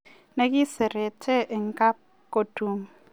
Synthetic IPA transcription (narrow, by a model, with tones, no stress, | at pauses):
nɛ˦ki˦sɛ˨ɾɛ˨tʰɛ˦ʔɛ˨ŋ˦ka˦p̚ | ko˨tu˦m